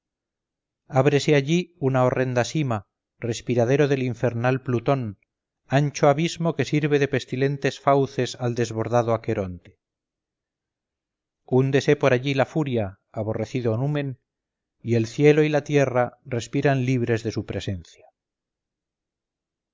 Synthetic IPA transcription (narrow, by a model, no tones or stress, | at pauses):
aβɾe̞seaʎiunaore̞nd̪asima | re̞spiɾað̞e̞ɾo̞ðe̞liɱfe̞ɾnalplut̪o̞n | ant͡ʃoaβizmo̞ke̞siɾβe̞ðe̞pe̞st̪ile̞nt̪e̞sfawθe̞sald̪e̞zβo̞ɾðaðoake̞ɾo̞nt̪e̥ | und̪e̞se̞po̞ɾaʎilafuɾjaː | β̞o̞re̞θiðonumẽ̞n | ie̞lθje̞lo̞ilat̪je̞rare̞spiɾanliβɾe̞zðe̞supɾe̞se̞nθja